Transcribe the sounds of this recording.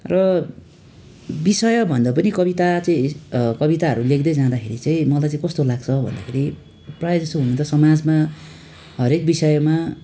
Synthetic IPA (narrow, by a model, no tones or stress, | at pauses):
rʌ | bisʌjʌbʱʌnd̪ʌpʌnikʌβit̪at͡sʌĩkʌβit̪aɦʌɾulekd̪ʌjd͡zãd̪akʰeɾit͡saĩmʌlajt͡saĩkʌst̪olaɡt͡sʰʌbʱʌ̰nd̪akʰeɾi | prajʌd͡zʌst̪oɦunʌt̪ʌsʌmad͡zma | ɦʌɾek̚bisʌjʌma